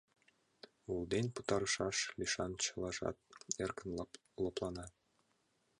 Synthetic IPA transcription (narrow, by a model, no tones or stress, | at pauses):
ulˠd̪enʲput̪ɑɾɤ̆ʃɑʃlʲiʃɑnt͡ɕɤ̆lˠɑʐɑ̰t̪̚erkɘ̆nlˠɑ | lˠɤ̆plˠɑnɑ